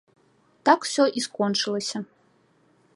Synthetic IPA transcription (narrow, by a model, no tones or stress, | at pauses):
t̪aksʲɔʔiskɔnt͡ʂɨlˠɐsʲɐ